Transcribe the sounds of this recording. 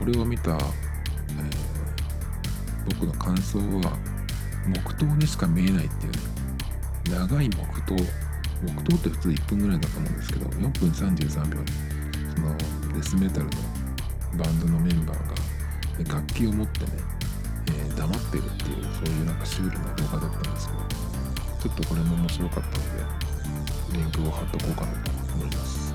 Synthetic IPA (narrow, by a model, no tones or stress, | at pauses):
ko̞ɾe̞o̞mʲit̪a̰ | eː | b̥o̞kɯ̟no̞kʰãɰ̃so̞ːβa̰ | mo̞kɯ̟̥t̪o̞ːɲ̟iɕi̥kamʲie̞nait̪ːe̞jɯ̟̰n | naɡaimo̞̰kɯ̟̥t̪o̞ː | mo̞kɯ̥t̪o̞ːt̪ːe̞ɸɯ̟̥t͡sɨːipːɯ̟̃ŋɡɯ̟ɾaid̪at̪omõnd̪e̞sɨ̥ke̞d̪o̞̰jõ̞mpɯ̟̃ɰ̃sãɲ̟d͡ʑɨːsãmbʲjõ̞ɲi | so̞no̞ | d̪e̞sɨme̞t̪aɾɯ̟no̞̰ | bãnd̪o̞no̞mẽ̞mba̰ːɡa̰ | eɡakʲːiːo̞mo̞t̪ːe̞̰ne̞̰ | eːd̪amat̪ːe̞̰ɾɯ̟t̪ːe̞̰jɯ̟̰so̞ːjɯ̟ːnãŋkaɕɨːɾʲinod̪o̞ːɡad̪et̪ːanmd̪esɨ̥ked̪o̰ | t͡ɕo̞t̪ːo̞ko̞ɾe̞mo̞omo̞ɕiɾo̞kat̪ːano̞d̪ḛ | bẽ̞ŋkʲo̞ːohat̪ːo̞ko̞ːkanat̪o̞ | omo̞imasɨ̥